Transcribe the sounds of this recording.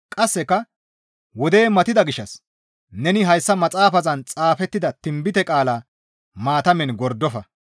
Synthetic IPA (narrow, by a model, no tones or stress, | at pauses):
kʼɐsːɛkːɐ | wɔd̪e̞ːmɐt̪ɪd̪ɐɡɪʃːɐs | nɛnɪɦɐjsːɐmɐt͡sʼaːfɐzɐnt͡sʼaːfɛt̪ːɪd̪ɐt̪ɪmbɪt̪ɛkʼaːlaː | maːt̪ɐmɛnɡɔɾd̪ɔfɐ